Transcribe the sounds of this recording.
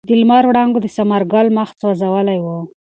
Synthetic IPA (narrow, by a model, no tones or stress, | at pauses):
d̪əlmɑɾwɽɑŋɡod̪əsamaɾɡɑlmaxt̪wazawəlajwu